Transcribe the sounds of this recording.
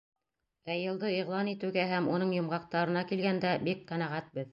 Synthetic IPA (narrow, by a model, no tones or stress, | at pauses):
æjɤ̆lˠd̪ɤiʁlˠɑnit̪ɘ̆wɡæɦæmunɤɴjŏmʁɑq̚t̪ɑɾɤ̆nɑkilɡænd̪æbik̚qænæʁæt̪̚bɘð